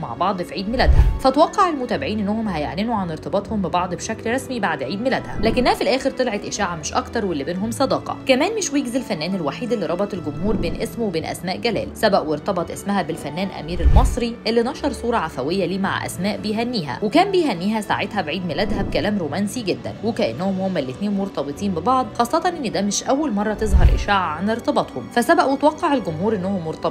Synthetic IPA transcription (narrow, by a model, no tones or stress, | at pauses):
ma̰ʕbɑʕd̪ˤfʕiːd̪melæd̪hæfæt̪wɑqːɑʕelmot̪æːbɪʕiːnʔenːæhomhæjeʕninuʕaneɾt̪ɑbɑt̪ˤhombebɑʕd̪ˤbeʃæklɾˤɑsmibaʕd̪ʕiːd̪melæd̪hæ̰læːkɪnːæhæfilʔæːxeɾt̪elʕet̪ʔɪʃaːʕameʃʔɑ̰kt̪ɑɾˤwelːibeːnɦomsˤɑd̪ɑːqɑ̰kæmæːnmeʃwjeɡzelfænːæːnelwaħiːd̪elːiɾˤɑbɑt̪ˤelɡʊmhuːɾbeːnʔesmwebeːnʔæ̰smæːʔɡælæ̰ːlsæbæʔweɾt̪ɑbɑt̪ˤʔesmæhæbelfænːæːnʔæ̰miːɾelmɑsˤɾiʔelːinɑʃɑɾˤsˤuːɾˤɑʕafæwejːæliːma̰ʕ̰ʔæ̰smæːʔbejɦænːiːɦæ̰wekæːnbejɦænːiːɦæsa̰ʕet̪hæbʕiːd̪melæd̪hæb̚kælæːmɾoːmænsiɡed̪ːæ̰nwekæʔenːæhomhomːælːet̪neːnmoɾt̪ɑbet̪ˤiːnbebɑʕd̪ˤxɑːsˤːɑt̪ˤɑnʔenːd̪æmɪʃʔæwːælmɑrˤːɑt̪ezɦɑ̰ɾˤʔɪ̰ʃaːʕʕaneɾt̪ˤɑbɑt̪ˤhomfæsæbæʔwet̪wɑqːɑʕelɡomhuːɾʔenːohomːoɾt̪ˤɑ